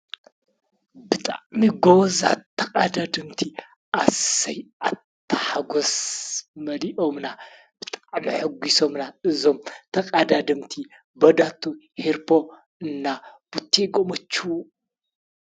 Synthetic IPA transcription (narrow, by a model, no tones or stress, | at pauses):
bɨt̪ʼaʕmiɡoza̰tʰːɐkʼad̪ad̪ɨmt̪ʰi | ʔasɐjat̪ʰːɐħaɡosmɐliʔomna | b̥ɨt̪ʼaʕmiħɨɡisomnaɨzo̞mt̪ʰɐkʼad̪ad̪ɨmt̪ʰi | bɐd̪at̪ʰːo | heɾpʰo̞ | ɨnːab̥ut̪ʰːeɡomɐt͡ʃːu